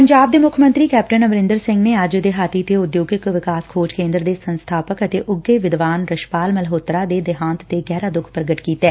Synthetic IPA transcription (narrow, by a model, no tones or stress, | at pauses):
pəɲd͡ʒaːb̚d̪eːmʊkʰmə̃nt̪ɾiːkɛːpʈənəmɾɪ̃nd̪əɾsɪ̃ŋɡneːəd͡ʒd̪eːɦaːt̪iːt̪eːʊd̪joːɡɪkʋɪkaːskʰoːd͡ʒkẽːnd̪ɾəd̪eːsənst̪ʰaːpəkət̪eːʔʊɡeːʋɪd̪ʋaːnɾəʃpaːlməlɦoːt̪ɾaːd̪eːd̪ɪɦãːnt̪t̪eːɡɛːɾaːd̪ʊkʰpɾəɡəʈkiːt̪ɛː